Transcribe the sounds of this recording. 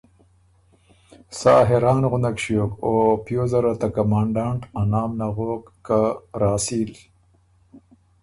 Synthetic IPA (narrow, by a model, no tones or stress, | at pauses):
saːɦeɾɑːnɣʊnakɕioːkoːpjoːzɐɾat̪akamaːɳɖaɳʈanaːmnaɣoːkːaɾaːsiːl